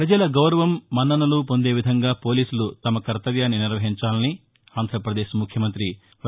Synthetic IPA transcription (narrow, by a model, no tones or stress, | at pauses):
pɾɐd͡ʒɐlɐɡɐwɾɐʋɐmːɐnːɐnɐlupo̞nd̪e̞ːʋid̪ʱɐŋɡaːpo̞ːliːsulut̪ɐmɐkɐɾt̪ɐʋjaːnːiniɾʋɐɦiɲt͡ʃaːlɐni | aːnd̪ʱɾɐpɾɐd̪eːʃmukʰjɐmɐnt̪ɾi